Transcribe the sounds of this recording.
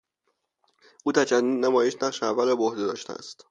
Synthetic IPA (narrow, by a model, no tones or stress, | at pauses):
ʔuːt̪ʰæt͡ʃænːiːd̪næmɒːje̞ʃnæqʃeævːælebohd̪e̞d̪ɒ̰ːʃt̪ʰḛæ̰st̪